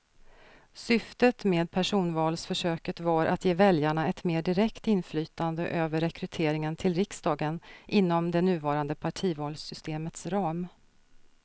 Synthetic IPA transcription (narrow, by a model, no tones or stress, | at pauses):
sʏft̪ət̪meːd̪̚pʰæʂuːnvɑːlsfœʂøːkət̪vaɾʔa̰t̪jeːvɛljaɳaɛt̪meːɖɪɾɛkt̪ɪnflyːt̪and̪əʔøːvəɾːɛkɾɵt̪ʰeːɾɪŋənt̪ʰɪlɾɪksd̪ɑːɡənʔɪnːɔmd̪ɛnʉ̟ːvɑːɾand̪əpʰaʈʰiːvɑːlsʏst̪eːmət̪sɾɑːm